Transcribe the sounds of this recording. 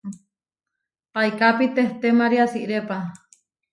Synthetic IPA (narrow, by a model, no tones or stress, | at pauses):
paikapit̪eht̪emaɾiasiʔɾepa